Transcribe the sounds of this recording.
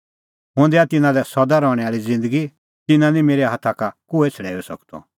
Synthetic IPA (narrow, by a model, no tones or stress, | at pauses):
ɦʊ̃nd̪ɛat̪ɪnãlɛsɔd̪aɾɔːɽ̃ɛaːɾid͡zɪ̃nd̪əɡi | t̪ɪnãnĩmeːɾɛɦat̪ʰakakʊɛt͡sʰɐɽɛːɛsɐ̰kt̪ɔ̰